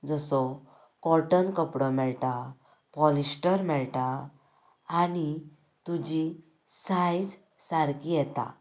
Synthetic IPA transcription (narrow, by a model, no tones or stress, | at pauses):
d͡zəsɔ | kɔɾʈənkəpɽɔmɛɭʈa | pɔlisʈəɾmɛɭʈa | aːɽi | t̪ud͡ʑi | sajd͡z | saɾkijɛt̪a̰